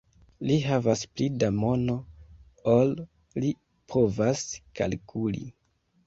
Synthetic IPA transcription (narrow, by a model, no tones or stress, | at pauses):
liɦavasplidamo̞no̞ | ol | li | pʰo̞vaska̰lkʰulḭ